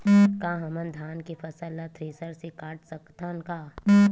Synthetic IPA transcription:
kãːɦɐmənd̪ʱaːnkifɐsəlːat̪ʰɾiːsəɾsekaːʈsɐkt̪anka

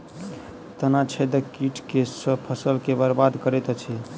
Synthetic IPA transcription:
t̪ənat͡ʃʰɛd̪əkiʈʰkesəpʰəsəlkebəɾbad̪kəɾɛt̪t͡ʃʰi

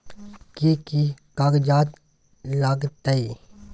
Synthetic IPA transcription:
kekikaːɡd͡ʒaːt̪ | laːɡt̪əi

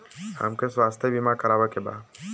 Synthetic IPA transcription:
hə̰mkeswaːst̪ʰebimakəɾaːʋekeba̰ː

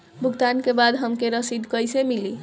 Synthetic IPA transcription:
bʱuɡt̪ankebad̪ɦəmkeɾəsid̪ʱkəjsemili

